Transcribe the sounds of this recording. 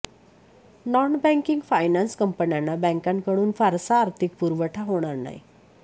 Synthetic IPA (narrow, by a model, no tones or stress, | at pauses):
nɔnbɛ̃ŋkiŋɡfajnanskəmpənjanːabə̃ŋkankəɽ̃uːnfaɾsaːɾt̪ʰik̚puɾʋəʈʰaɦoɽ̃aɾna̰ɦḭ